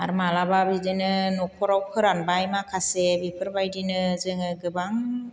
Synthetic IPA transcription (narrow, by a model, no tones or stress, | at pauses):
aɾmalababidɯnɯnɔkʰɔɾawkʰɯɾanbajmakʰasebipʰɯɾbajdinɯzɯŋɯɡɯbaŋ